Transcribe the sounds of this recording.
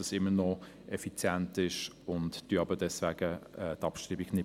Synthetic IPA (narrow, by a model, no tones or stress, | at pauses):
ɑsɪmːənɔ | ʔɛfit͡sjɛntɪʃ | ʊntd̥yːɑbədɛsvæːɡ̥əɛtɑpʃtɾiːbiɡnɪ